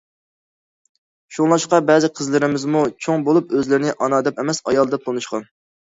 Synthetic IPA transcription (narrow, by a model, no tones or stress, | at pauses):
ʃuŋlˠɑʃqɑbɛzɪqʰəzlɪɾɪmɪzmut͡ʃʰoŋbolˠupøzlɪɾɪnɪʔɑnɑːd̪ɛpɛmɛsɑjɑlˠd̪ɑp̚t̪ʰonuʃqɑn